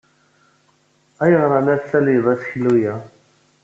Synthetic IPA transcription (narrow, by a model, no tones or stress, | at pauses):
æjəʁɾˤɑlæsæliðæθçəlːujæ